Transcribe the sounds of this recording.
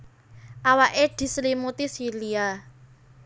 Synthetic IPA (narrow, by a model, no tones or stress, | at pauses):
ʔawaʔed̪̥i̤slimut̪isilia